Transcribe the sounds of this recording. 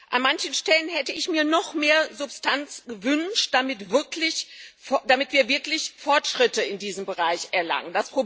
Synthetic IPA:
ʔanmançn̩ʃtɛlənɦɛtəɪçmiːɐnɔχmeːɐzʊpstʰant͡sɡ̥əvʏnʃtd̥amɪtv̥ɪɐklɪçfd̥amɪtv̥iːɐvɪɐklɪçfɔɐtʃʁ̥ɪtəɪndiːzəmbəʁaɪçʔɛɐla̰ŋəndaspʁ̥o

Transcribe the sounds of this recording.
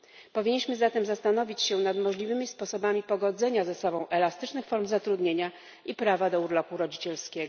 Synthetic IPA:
pɔvʲiɲːiɕmɘzat̪ɛmzast̪an̪ɔvʲit͡ɕɕɛ̃nad̪mɔʐlʲivɘmʲispɔsɔbamʲipɔɡɔd̪zɛɲazɛsɔbɔ̃w̃ʔɛlast̪ɘt͡ʂnɘxfɔɾmzat̪ɾud̪ɲeɲa | ipɾavad̪ɔuɾlɔpuɾɔd͡ʑit͡ɕɛlskʲɛɡɔ

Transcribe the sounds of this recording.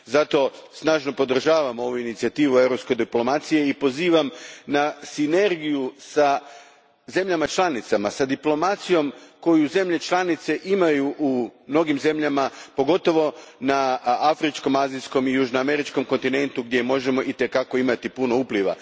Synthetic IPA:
zat̪o̞snaːʒno̞po̞d̪r̩ʒaːʋamo̞ʋuinit̪siat̪iːʋue̞vɾopske̞d̪iplo̞mat̪sije̞ipo̞ziːʋamnasine̞ɾɡijusa | ze̞mʎamat͡ʃlˠanit̪samasad̪iplo̞mat̪sijo̞mko̞juze̞mʎe̞t͡ʃlˠanit̪se̞ʔimajuʔumno̞ɡimze̞mʎamapo̞ɡo̞t̪o̞ʋo̞naafɾit͡ʃko̞mazijsko̞mijuʒnoame̞ɾit͡ʃko̞mko̞nt̪ine̞nt̪uɡd̪je̞mo̞ʒe̞mo̞ʔit̪e̞kako̞imat̪ipuno̞upliʋa̰

